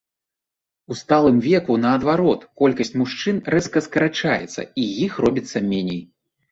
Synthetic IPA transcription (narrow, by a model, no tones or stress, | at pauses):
ust̪alˠɨmvʲɛkunɐːd̪vaɾɔt̪kɔlʲkɐsʲt͡sʲmuʂt͡ʂɨnrɛskɐskɐɾat͡ʂajɛ̰t̪sːɐ̰ijixrɔbʲit̪sːɐmʲɛnʲej